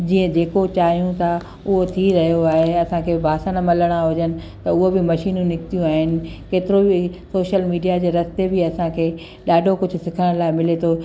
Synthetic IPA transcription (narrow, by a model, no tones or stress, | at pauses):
d͡ʑiːə̃d͡ʑeːkot͡ɕaːɦijũt̪ʰa | ʊɦot̪ʰiɾɐɦijoaːɦeɐsãkʰeːbʱaːsənəmɐləɽ̃aɦʊd͡ʑənɪ̆ | t̪ɐʊɦobɪmɐʃiːnũnɪkɪt̪ijũaːɦɪnɪ̆keːt̪ɪɾobisoːʃəlmiːɖijad͡ʑeːɾɐsɪt̪ebɪɐsãkʰeː | ɗaːɖʱokʊd͡ʑʱʊ̆sɪkʰəɽ̃laːɪmɪlet̪ʰoː